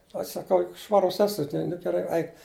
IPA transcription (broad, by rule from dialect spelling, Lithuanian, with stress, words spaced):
ɐʃ sɐˈkɐʊ jʊk ˈʃʋɑːrʊs ˈæːsʊ tʲɪn nʊ ɡʲɛˈrɐɪ ˈɐɪk